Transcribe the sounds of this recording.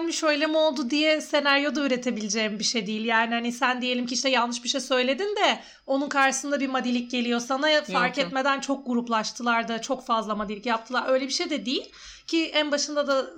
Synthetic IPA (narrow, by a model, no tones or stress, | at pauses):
miʃø̞jlʲe̞mio̞lˠd̪ud̪ijɛse̞næɾjo̞d̪ayɾe̞t̪ʰe̞bilʲid͡ʒeːmbiʃejd̪ijilʲjaːnihanisænd̪ije̞lʲimciʃt̪ɛjalˠnɯʃbiʃejsø̞jlʲe̞d̪ind̪ɛ | o̞nunkʰaɾʃɯ̥sɯnd̪abimad̪ilʲic̚ɟe̞lʲijo̞sanafaɾkɛt̪me̞d̪ænt͡ʃʰo̞k̚ɡuɾuplˠaʃt̪ʰɯlˠaɾd̪at͡ʃʰo̞kfazlˠamad̪ilʲicjap̚t̪ʰɯlˠaɾø̞jlʲebiʃejd̪ɛd̪ijilʲ | cʰiænbaʃɯnd̪ad̪a